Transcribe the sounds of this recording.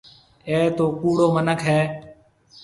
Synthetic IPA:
eːt̪oːkuːɽoːmənəkʰɦeː

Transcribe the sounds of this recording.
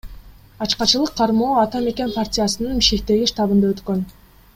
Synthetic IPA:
ɑt͡ʃqɑt͡ʃɯlˠɯqʰːɑɾmoːɑt̪ɑme̞kʲe̞npartʲɪjasɯnɯnbiʃke̞k̚t̪e̞ɡiʃt̪ɑβɯnd̪ɑøt̪kø̞n

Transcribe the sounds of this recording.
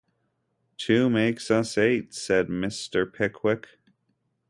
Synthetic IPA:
tʰʉmeɪksʌseɪtsɛd̚mɪstə˞pʰɪkʰwɪk

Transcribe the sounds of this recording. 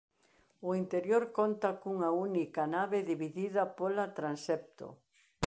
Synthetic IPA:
ʊint̪eɾjoɾkont̪ɐkuŋɐunikɐnaβeðiβiðiðɐpolɐt̪ɾansɛp̚t̪o̰

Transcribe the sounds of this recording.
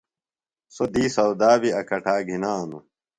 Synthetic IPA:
sod̪iːsɐwd̪aːbiɐkɐʈʰaːɡʱinaːnṵ

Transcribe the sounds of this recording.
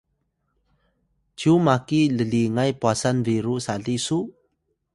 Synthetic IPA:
t͡ɕumakiləliŋajpwasanviɾusaɮisu

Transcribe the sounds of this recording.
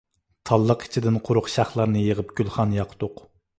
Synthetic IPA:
t̪ʰɑlˠːəqi̥t͡ʃʰid̪ɪnqʰʊɾʊqʃæχlˠɑɾnɨjəʁəpɡ̥ʲylˠχɑnjɑqʰt̪ʊq

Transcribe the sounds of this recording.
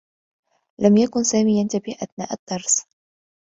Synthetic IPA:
lamjakʊnsaːmiːjant̪abɪhʔaθnaːʔad̪̥ːɑɾˤsˤ

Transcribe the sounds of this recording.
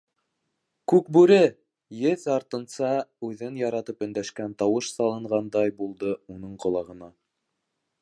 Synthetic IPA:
kʉkbʉɾɘ | jɘθɑɾt̪ɤ̆nsɑʉðɘnjɑɾɑt̪ɤpɵ̆nd̪æʃkænt̪ɑwɤʃsɑlˠɤ̆ɴʁɑnd̪ɑjbulˠd̪ɤunɤɴqŏlˠɑʁɤ̆nɑ

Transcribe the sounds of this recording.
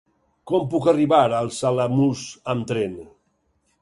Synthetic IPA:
kɔmpukariβaɾəlˠsalamusamt̪ɾen

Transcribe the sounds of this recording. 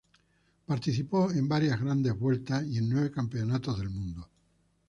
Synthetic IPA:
paɾt̪iθipoembaɾjazɣɾand̪e̞zβwe̞lt̪asie̞nːweβ̞ekampeonat̪ozðe̞lmũnd̪o

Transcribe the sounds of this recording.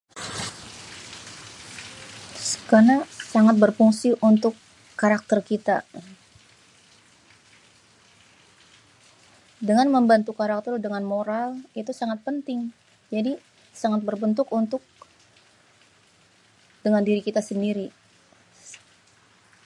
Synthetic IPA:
sə̥kanasaŋat̪̚bərfuŋsiʔunt̪ʊkː | aɾak̚t̪ərkit̪a̰ | dəŋanməmbant̪ukaɾak̚t̪ərdəŋanmoɾalit̪usaŋat̪̚pənt̪ɪŋ | d͡ʒadi | saŋat̪̚bərbənt̪ʊkunt̪ʊk̚ | dəŋandiɾikit̪asəndiɾi

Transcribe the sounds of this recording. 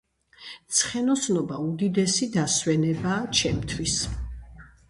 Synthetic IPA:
t̪sʰχɛnɔsnɔbaud̪id̪ɛsid̪aswɛnɛbaːt͡ʃʰɛmt̪ʰwis

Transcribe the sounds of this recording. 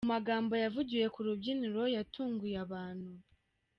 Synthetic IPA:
umaɡaːmbojavuɟije̞kuɾubɟiniɾo̞jatʰuːŋɡujaβaːn̤hu

